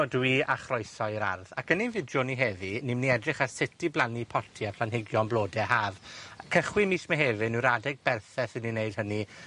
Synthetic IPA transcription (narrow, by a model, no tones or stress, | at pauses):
ɔdwiaχrɔjsɔɾa̰rðakəninvɪdjʊniɦeːvinimniɛdrɪχasɪtʰiblˠanipʰɔtʰiapʰl̥ˠanɦɪɡjɔnblˠoːdɛhaːvkʰəχwimiːsmɛɦeːvɨnuɾadɛɡ̚bɛrθɛsɪnːinejd̥̚həni